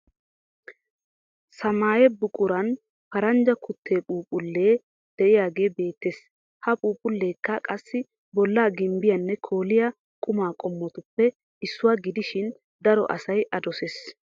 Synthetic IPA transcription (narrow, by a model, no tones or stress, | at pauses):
sɐmaːjɛbʊkʼʊɾɐn | pɐɾɐnd͡ʒɐkʰʊt̪ʰːe̞ːpʼuːpʼʊlːeː | d̪̥ɛʔɪjaːɡe̞ːbe̞ːt̪ːeːs | hɐpʼuːpʼʊlːe̞ːkːɐkʼɐsːɪ | bɔlːaːɡɪmbɪjɐnːɛkʰoːlɪja | kʼʊmaːkʼɔmːɔt̪ʊpːɛ | ɪsːʊwaːɡɪd̪ɪʃɪn | d̪ɐɾɔ̰ʔɐ̰sɐjʔɐd̪ɔseːs